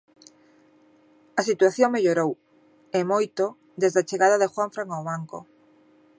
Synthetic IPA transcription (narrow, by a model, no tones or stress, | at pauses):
ɐsit̪uaθjoŋmeʎoɾow | emojt̪o | d̪ezðat͡ʃeɣaðaðɪxwaɱfɾaŋawβaŋko̰